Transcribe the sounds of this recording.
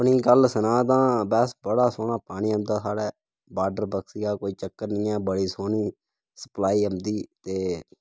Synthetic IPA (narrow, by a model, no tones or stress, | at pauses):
əpɳiːkəlsənãːt̪ãːbɛːsbəɽaːsoːnaːpaːɳiːəmd̪aːsaːɽɛː | baːɖəɾbəksiːɡaːkoːiːt͡ʃəkːəɾnĩːɛːbəɽiːsoːniː | sə̥plaːiːəmd̪iːt̪eː